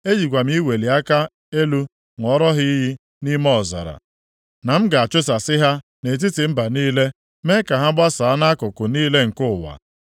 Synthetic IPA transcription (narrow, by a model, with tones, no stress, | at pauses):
e˦d͡ʒi˨ɡʷa˨m̩˦i˦we˨li˨a˦ka˦ | e˦lu˦ | ŋ˨ɔ˦ɾɔ˦ɦi˦ɦi˦ | ni˦mɔ˦˨za̰˨ɾa̰˨ | na˨m̩˦ɡa˨a˨t͡ʃʊ˦sa˨sɪ˦ɦa˦ | ne˨t̬i˦tɪ˨m̩˦ba˨niː˦le˦ | me˦ka˨ɦa˦ɡ͡ba˦sa˨˦na˦kʊ˨kʊ˨niː˦le˦ŋ̩˨kʊ˦˨wa̰˨